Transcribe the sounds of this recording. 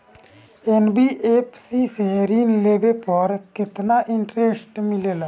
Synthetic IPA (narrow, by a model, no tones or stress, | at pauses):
enbiʔepsiseɾinleːʋepəɾkɪt̪naʔɪɳʈɾesʈmɪleːla